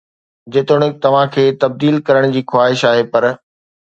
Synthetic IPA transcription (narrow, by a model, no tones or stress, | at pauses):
d͡ʑɪt̪ʊɽ̃ɪ̆t̪ɐʋ̤ãkʰeːt̪ɐb̚d̪iːlkɐɾəɽ̃d͡ʑiːxwaːɦɪʃaːɦepɐɾ